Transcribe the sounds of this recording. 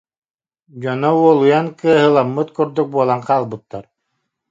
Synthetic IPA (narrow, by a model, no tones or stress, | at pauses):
d͡ʑɔnɔuɔlˠujankɯɐɦɯlˠamːɯt̪kuɾd̪uk̚buɔlˠaŋqaːlˠbɯt̪ːaɾ